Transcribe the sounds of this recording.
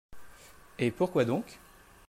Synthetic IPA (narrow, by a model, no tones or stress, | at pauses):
epuʁkwad̪ɔ̃k